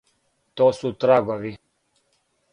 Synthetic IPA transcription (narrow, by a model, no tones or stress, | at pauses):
t̪oːsut̪ɾaɡoʋi